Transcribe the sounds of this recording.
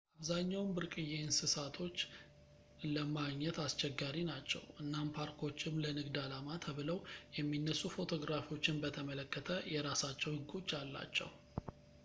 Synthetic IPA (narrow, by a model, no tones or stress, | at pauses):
ʔaβzaɲːawmbɨɾkʼɨjensɨsat̪ʰo̞t͡ʃː | ləmaɡɲɛt̪ast͡ʃɛɡːaɾinat͡ʃːɛ̰wʔɨnːanpʰaɾkʰo̞t͡ʃːɪmlənɨɡd̪alamat̪ʰəβɨləwjɛmːinːəsːufo̞t̪ʰo̞ɡɾafio̞t͡ʃːɪnbət̪ʰəmələkːət̪ʰəjɛɾasat͡ʃːɛwɡʼut͡ʃʼːalːa̰t͡ʃːɛ̰w